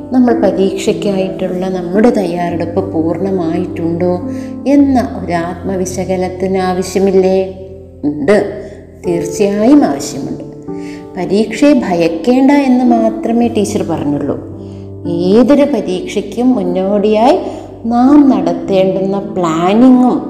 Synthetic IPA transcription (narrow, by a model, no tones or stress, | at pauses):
nɐmːɐɭpɐɾiːkʂɐkʲːaːjiʈːuɭːɐnɐmːuɽe̞t̪ɐjːaːɾeɽupːɨpuːrɳɐmaːjiʈːuɳɖoːe̞nːɐʔo̞ɾaːt̪̚mɐʋiɕɐɡɐlɐt̪ːinaːʋɐɕjɐmilːe | uɳɖɨ | t̪iːrt͡ɕːijaːjumaːʋɐɕjɐmṵɳɖɨ | pɐɾiːkʂebʱɐjɐkːe̞ːɳɖae̞nːɨmaːt̪rɐme̞ːʈiːt͡ɕːɐrpɐrɐɲːuɭːo̰ː | eːðoɾupɐɾiːkʂɐkʲːumːunːoːɽijaːji | naːmnɐɽɐt̪ːe̞ːɳɖunːɐpɭaːniŋːum